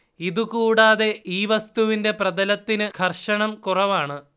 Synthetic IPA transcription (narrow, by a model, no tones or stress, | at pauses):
iðukuːɽaːðe̞iːʋɐst̪uʋinde̞prɐðɐlɐt̪ːinɨkʰɐrʂɐɳɐmkurɐʋaːɳɨ